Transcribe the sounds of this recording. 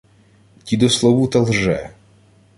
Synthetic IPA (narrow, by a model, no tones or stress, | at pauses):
tʲid̪ɔslˠɔwut̪ɐlˠʒɛ